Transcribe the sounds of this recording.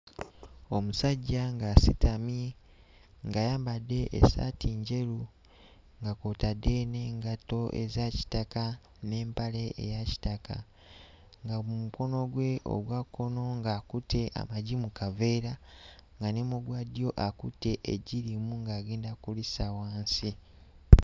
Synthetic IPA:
o̞musaɟːaŋɡasitʰami | ŋɡajaːmbadːe̞ʔːsa̰tʰiɲɟe̞ɾu | ŋɡakoːtadːe̞ne̞ːŋɡato̞ʔḛzaci̥taka | ne̞ːmpale̞ḛjaci̥taka̰ | ŋɡaumuko̞no̞ɡwe̞ʔo̰ɡwakːo̞no̞ŋɡakutʰe̞ʔa̰maɟimukave̞ɾaŋɡanemuɡwadjo̞ʔakute̞ʔeɟiɾimuŋɡaːɡeːndakulisawaːnsi

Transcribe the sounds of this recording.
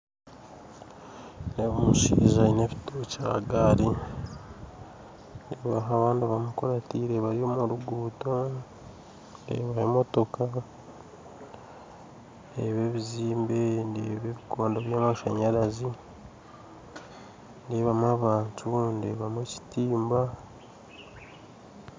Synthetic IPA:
neβumuʃḭːʒaineβi̥toca̰ːɡaɾi | ndeβaɦaβaːndiβamukoɾatiɾeβaɾiomuɾuɡuːto | ndḛːβaemo̞to̞ka | ndḛβe̞βiziːmbendeβeːβikoːndaβjaːmaʃaɲaɾazi | ndeːβamwaːβaːntʰundeːβamweci̥tiːmba

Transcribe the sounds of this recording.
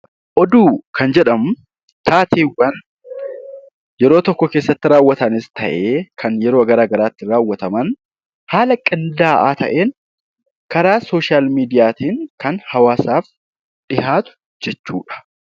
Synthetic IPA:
ʔɔd̪uːkʰɐnd͡ʒɛᶑɐmʊ | t̪ʰaːt̪ʰiːwɐn | jɛɾoːt̪ɔkːɔke̞ːsːɐt̪ːɪɾaːwːɐt̪ɐnɪst̪ɐʔeːkʰɐnjɛɾo̞ːɐɡɐɾaːɡɐɾaːt̪ːɪɾaːwːɐt̪ɐmɐn | haːlɐkʼɪnd̪aːʔaːt̪ʰɐ̰ʔe̞ːn | kɐɾaːsoːʃaːlmiːd̪ɪjaːt̪iːŋkɐnhɐwaːsaːf | ᶑɪhaːt̪ʊ̥ | d͡ʒɛt͡ʃːṵːᶑɐ̥

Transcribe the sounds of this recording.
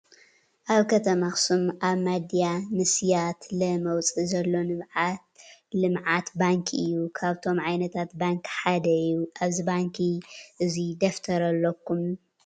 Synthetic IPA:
ʔaβkʰɐt̪ʰɐmaxsumʔaβmad̪ijanɨsjat̪lɐmɐwt͡sʼizɐlːo̞nɨβʕat̪lɨmʕat̪baŋkʰiʔɨjːukʰaβt̪ʰo̞mʕajnɐt̪ʰat̪baŋkħad̪ɐɨjːuʔaβzibaŋkʰiʔɨzid̪ɐft̪ʰɐɾɐlːɐkʰːum

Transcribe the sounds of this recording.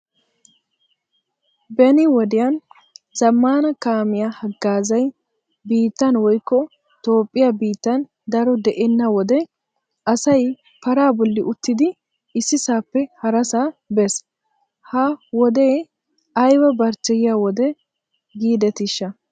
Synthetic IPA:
bɛnɪwɔd̪ɪjan | zɐmːaːnɐkaːmɪjahɐɡːaːzɐj | biːt̪ːɐnwɔjkːɔ | t̪oːpʼːɪjabiːt̪ːɐn | d̪ɐɾɔd̪ɛʔɛnːɐwɔd̪ɛ | ʔɐsɐj | pɐɾaːbɔlːɪʔʊt̪ːɪd̪ɪ | ɪsːɪsaːpːɛhɐɾɐsaːbɛs | hɐwɔd̪eː | ɐjwɐbɐɾt͡ʃːɛjɪjawɔd̪ɛ | ɡiːd̪ɛt̪ɪʃːɐ

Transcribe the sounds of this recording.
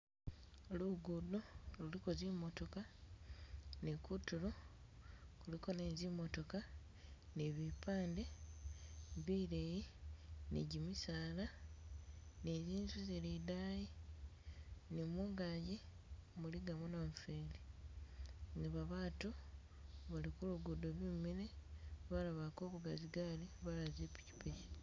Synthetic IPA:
luɡudolulikozimːo̞to̞ka | nekutulo | kuliko̞nezimo̞to̞ka | neβipaːnde | βiɾejinḛɟimisaːla | neziːnzuzelidaːji | nemuːŋɡaɟi | muliɡamunaɱfeːli | ŋɡaβaβaːtu | βalikuluɡudoβimiɾeβalaβako̞ːβuɡaziɡaliβalazepi̥ci̥peji

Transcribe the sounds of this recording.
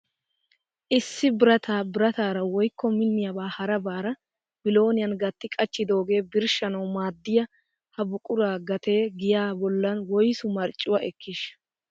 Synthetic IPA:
ʔɪsːɪbɪɾɐt̪ʰaːbɪɾɐt̪aːɾɐwɔjkːɔmɪnːɪjɐbaːhɐɾɐbaːɾɐ | bɪlo̞ːnɪjɐnɡɐt̪ːɪkʼɐt͡ʃːɪd̪o̞ːɡe̞ːbɪɾʃɐnɐwmaːd̪ːɪjɐ | hɐbʊkʼʊɾaːɡɐt̪ʰe̞ːɡɪjaːbɔlːɐnwɔjsʊmɐɾt͡ʃʼːʊwɐʔɛkːɪʃ

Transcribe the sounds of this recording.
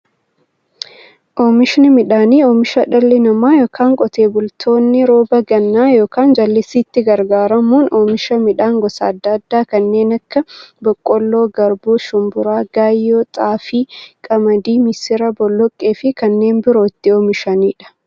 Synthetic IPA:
ʔɔːmɪʃnɪmɪᶑaːniːɔːmɪʃɐᶑɐlːɪnɐmaːjoːkʰaːŋkʼɔt̪e̞ːbʊlt̪ʰo̞ːnːɪɾo̞ːbɐɡɐnːaːjo̞ːkaːnd͡ʒɐlːɪsiːt̪ːɪɡɐɾɡaːɾɐmuːnɔːmɪʃɐmɪᶑaːŋɡɔsɐ̰ːd̪ːɐd̪ːaːkɐnːe̞ːnɐkːɐbɔkʼːɔlːoːɡɐɾbuːʃʊmbʊɾaːɡ̥aːjːoːt̪ʼaːfiːkʼɐmɐd̪iːmɪsɪɾɐbɔlːɔkʼːe̞ːfɪkɐnːe̞ːnbɪɾoːɪt̪ːɪɔmɪʃɐniːᶑɐ̥

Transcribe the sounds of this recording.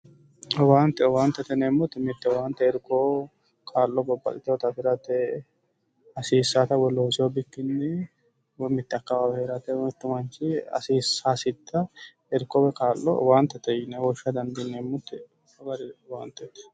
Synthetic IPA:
waːnt̪ːɛwaːnt̪ːɐt̪ɛneːmːʊt̪ːɛmɪt̪ːɛwaːnt̪ːɛɛɾkːo | kʰaːlːɔbɔbːɐ̰lʼɪt̪ɪwɔt̪ɐpɪɾɐt̪ɛ | ɐsiːsːat̪ɐwɔlːɔɔsɪwɔbɪkːɪnːɪ | wɔmɪt̪ːɪɐkːɐwaːwheːɾɐt̪ɛmɪt̪ːɪmɐnt͡ʃːɪɐ̰siːsːaːsɪt̪ːɐ | ɛɾkːɔwɛkaːlːɔ̰waːnt̪ːɐt̪ɛjɪnɛwɔʃːɐd̪ɐnd̪ɪneːmːʊt̪ːɛ | ɐɡɐɾɪwaːnt̪ːɛt̪ːɛ̥

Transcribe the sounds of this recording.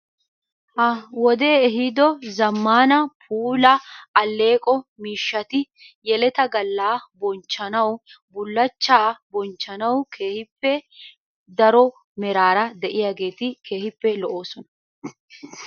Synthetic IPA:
hɐwɔd̪e̞ːɛɦɪd̪ɔzɐmːaːnɐpʰuːlɐːlːe̞ːkʼɔmiːʃːɐt̪ɪ | jɛlɛt̪ɐɡɐlːaːbɔnt͡ʃːɐnɐw | bʊlːɐt͡ʃːaːbɔnt͡ʃːɐnɐwkʰe̞ːhɪpːɛ | d̪ɐɾɔ | mɛɾaːɾɐd̪ɛʔɪjaɡe̞ːt̪ɪkʰe̞ːhɪpːɛlɔʔoːsɔnɐ̥

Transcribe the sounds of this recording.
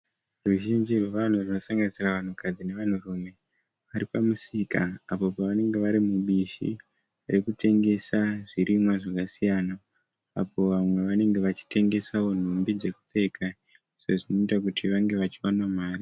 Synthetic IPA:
ruʒind͡ʒirwe̞ʋan̤uruno̞saŋɡanisiraʋan̤ukʰad͡zine̞ʋan̤urume̞ | ʋaɾipamusikaːpo̞paʋane̞ŋɡe̞ʋaɾimuɓiʃḭ | aɾekute̞ŋɡe̞saʐiɾimwaʐakasijana̰ː | po̞ʋamwe̞ʋane̞ŋɡe̞ʋat͡ʃi̥te̞ŋɡe̞sawo̞n̤umbid͡ze̞ku̥pe̞kʰa | ʐeʐino̞itakutʰiʋaŋɡe̞ʋat͡ʃiwanwamaːri

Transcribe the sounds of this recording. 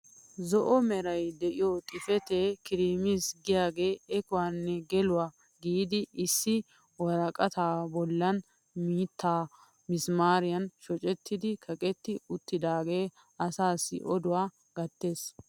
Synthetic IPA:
zɔʔɔmɛɾɐjd̪ɛʔɪjɔt̪ʼɪfɛt̪eːkɪɾiːmisɡɪjaːɡe̞ːɛkʊwaːnːɛɡɛlʊwaː | ɡiːd̪ɪɪsːɪ | wɐɾɐkʼɐt̪aːbɔlːɐn | miːt̪ʰːaː | mɪsmaːɾɪjɐnʃɔt͡ʃʼɛt̪ːɪd̪ɪkʰɐkʼɛt̪ːɪʊt̪ːɪd̪aːɡe̞ː | ɐsaːsːɪ̰ʔɔd̪ʊwaː | ɡ̥ɐt̪ːe̞ːs

